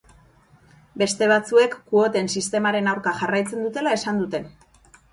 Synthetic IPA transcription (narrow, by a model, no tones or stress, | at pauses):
be̞st̪e̞β̞at͡sue̞kːuo̞t̪e̞nsist̪e̞maɾe̞nawɾkaxarajt͡se̞nd̪ut̪e̞lae̞sand̪ut̪e̞n